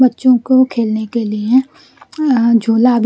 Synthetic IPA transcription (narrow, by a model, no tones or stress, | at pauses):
bɐtːʃõkokʰeːlnekelie | d͡ʒʱuːlabʱ